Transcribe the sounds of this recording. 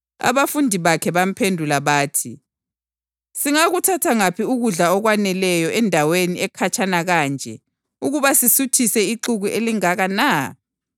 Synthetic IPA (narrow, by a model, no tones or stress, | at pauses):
a̰βafundʱiβakʰɛβam̩pʰendʱulaβaːtʰi | siŋaɣutʰatʰaŋapʰiuɣuɮaɔɣwanɛlɛjɔʔɛndʱaweniɛkʰat͡ʃʰʼanaɣaːnd͡ʒʱɛ | uɣuβasisutʰisɛiǃuɣuʔeliŋaɣana